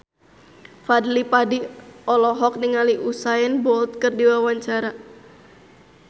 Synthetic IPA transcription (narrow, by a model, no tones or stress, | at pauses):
fadlipadiɔlɔɦɔk̚niŋaliʔusaɛnbɔlt̪̚kərdiwawaɲt͡ʃaɾa